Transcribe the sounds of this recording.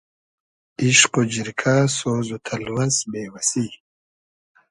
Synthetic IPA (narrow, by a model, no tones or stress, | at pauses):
iɕqod͡ʑiɾkʰasozut̪ʰɐlwɐsbeːwɐsi